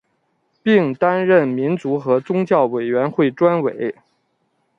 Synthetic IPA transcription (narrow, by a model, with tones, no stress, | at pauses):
pi˥˩ŋt̪a˥nɻə˥˩nmi˧˥nt͡su˧˥xɤ˧˥t͡sʊ˥ŋt͡ɕjɑ˥˩ʊwe˨˩ɪɥɛ˧˥nxwe˥˩ɪʈ͡ʂwa˥nwe˨˩˦ɪ